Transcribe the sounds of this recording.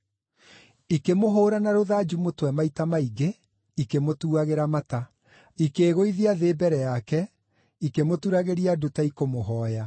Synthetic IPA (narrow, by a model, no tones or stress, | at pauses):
ikemoɦoːɾanaɾoðad͡ʒumotwɛmaitamaiɡe | ikemotuaɣeɾamata | ikeːɣoiðiaðeːbɛɾɛjakɛ | ikemotuɾaɣeɾiadutaikomoɦɔːja